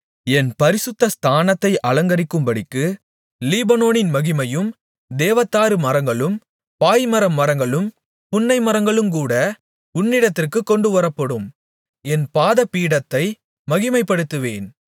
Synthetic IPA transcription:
ɛnpɐɾɪsɯt̪ːɐst̪ʰaːnɐt̪ːɐɪʔɐlɐŋɡɐɾɪkːɯmbɐɽɪkːɯ | liːbɐnoːnɪnmɐɣɪmɐjɯm | d̪eːʋɐt̪ːaːɾɯmɐɾɐŋɡɐɭɯm | paːjmɐɾɐmːɐɾɐŋɡɐɭɯm | pʊnːɐɪmɐɾɐŋɡɐɭɯmkuːɽɐ | ʊnːɪɽɐt̪ːɪrkɯkːɔɳɖɯʋɐɾɐpːɐɽɯm | ɛnpaːðɐpiːɽɐt̪ːɐɪ | mɐɣɪmɐɪpːɐɽɯt̪ːɯʋḛːn

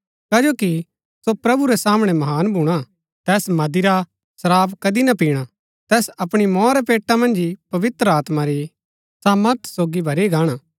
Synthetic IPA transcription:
kaːd͡ʒoːki | sopɾɐbuɾɛsaːmɽ̃ɛmɐɦaːnbʱuɽ̃a | t̪ɛːsmɐd̪iɾa | sɐɾaːbkɐd̪inɐpiːɽ̃a | t̪ɛːsɐpɽ̃imɔ̃ːɾɛpeːʈːamɐ̃nd͡ʒipɐʋɪt̪ɾəaːt̪maɾi | saːməɾt̪ʰsoːɡibʱɐɾiɡaːɽ̃a

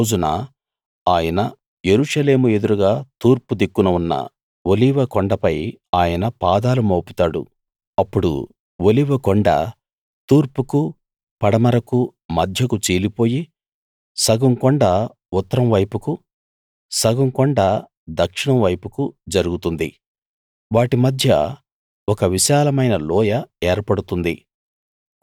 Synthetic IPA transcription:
oːd͡ʒuna | aːjɐnɐ | je̞ɾuʂɐle̞ːmue̞d̪uɾuɡaːt̪uːɾpud̪ikːunɐunːɐ̰ | woliʋɐkɔɳɖɐpɐjaːjɐnɐpaːd̪aːlumoːput̪aːɽṵ | ɐpːuɽṵ | woliʋɐkɔɳɖɐ̰ | t̪uːɾpuku | pɐɽɐmɐɾɐkumɐd̪ʱjɐkut͡ʃiːlipo̞ːji | sɐɡɐŋkɔɳɖaː | ut̪ːɐɾɐmʋɐjpuku | sɐɡɐŋkɔɳɖaː | d̪ɐkʂiɳɐmʋɐjpukud͡ʒɐɾuɡut̪und̪i | ʋaːʈimɐd̪ʱjɐ̰ | ɔkɐʋiʃaːlɐmɐjnɐlɔːjɐɛːɾpɐɽut̪und̪i

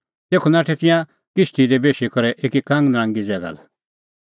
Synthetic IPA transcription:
t̪eːkʰunaːʈʰɛt̪ɪ̃jã | kɪʃʈ̪id̪ebeːʃikɔɾɛʔeːkikãŋɡnɾãŋɡid͡zɛːɡa̰l

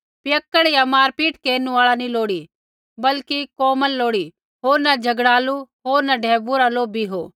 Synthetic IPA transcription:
pjəkːəɽjamaːɾpiːʈkeːnũaːɭanĩloːɽi | bɐlkikoːməlːoːɽi | ɦoːɾnɐd͡ʒʱɐɡɽaːluɦoːɾnaɖʱɛːbuɾalobʱiɦoː

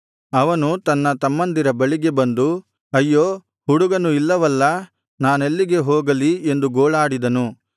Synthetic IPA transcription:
ɐʋɐnut̪ɐnːɐt̪ɐmːɐnd̪iɾɐbɐɭiɡe̞bɐnd̪u | ɐjːoː | ɦuɽuɡɐnuilːɐʋɐlːɐ | naːnelːiɡe̞ɦoːɡɐlie̞nd̪uɡoːɭaːɽid̪ɐnu

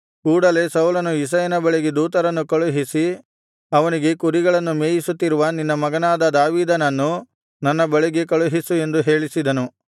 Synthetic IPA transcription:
kuːɽɐle̞sɐwlɐnuis̬ɐjɐnɐbɐɭeɡed̪uːt̪ɐɾɐnːukɐɭuɦisi | ɐʋɐniɡe̞kuɾiɡɐɭɐnːumeːjisut̪ːiɾuʋɐninːɐmɐɡɐnaːd̪ɐd̪aːʋiːd̪ɐnɐnːu | nɐnːɐbɐɭeɡe̞kɐɭuɦisue̞nd̪uɦe̞ːɭisid̪ɐnu

